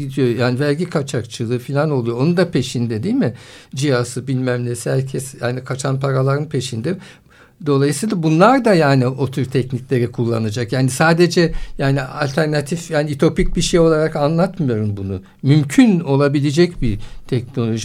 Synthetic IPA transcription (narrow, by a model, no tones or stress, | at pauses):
id̪ijo̞jaːnivæɾɟikʰat͡ʃʰakt͡ʃʰɯlˠɯfilʲano̞lˠujo̞onund̪apʰe̞ʃind̪ɛd̪ilʲmɪd͡ʒijasɯbilʲmæmlʲeshæɾcʰɛsjaːnikʰat͡ʃʰanpʰaɾalˠaɾɯnpʰe̞ʃind̪ɛ | d̪o̞lˠajɯsɯːlˠabunlˠaɾd̪ajaːnio̞t̪ʰuɾt̪ʰɛcnicʲlʲe̞ɾikʰulˠːa̰nad͡ʒakjaːnisaːd̪e̞d͡ʒɛjaːnia̰lʲt̪ʰæɾnat̪ʰifjaːniyt̪ʰo̞pic̚biʃejo̞lˠaɾakanlˠat̪mɯjo̞ɾumbunu | mymcʰyno̞lˠabilʲed͡ʒɛcbit̪ʰɛcno̞lʲo̞ʒi